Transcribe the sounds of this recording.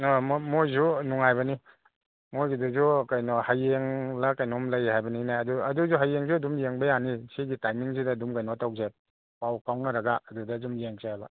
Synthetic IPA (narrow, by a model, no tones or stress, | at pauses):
nammojzunuŋajbɐni | mojɡiduzukajnɔhajeŋlakajnɔmlajhajbɐninaɐduɐduzuɦajːeŋzuɐdumjeŋbɐjanisiɡitajmiŋsidɐːdumkajnɔtawze | pawkawnɐɾɐɡaːdudaːdumjeŋseajbɐ